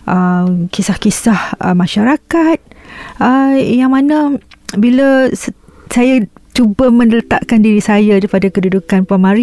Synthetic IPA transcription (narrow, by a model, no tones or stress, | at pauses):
ʔəkisahkisahəmãʃaɾakat̪̚ʔəjaŋmãnãbiləssajat͡ʃubamə̃nələt̪aʔkandiɾisajadaɾipadakədudukanpamãɾi